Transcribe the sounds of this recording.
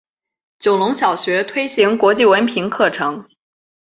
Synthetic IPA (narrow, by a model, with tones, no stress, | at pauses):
t͡ɕjo˨˩ʊlʊ˧˥ŋɕjɑ˨˩ʊɕɥɛ˧˥t̪ʰwe˥ɪɕi˧˥ŋkwɔ˧˥t͡ɕi˥˩wə˧˥npʰi˧˥ŋkʰɤ˥˩ʈ͡ʂʰɤ˧˥ŋ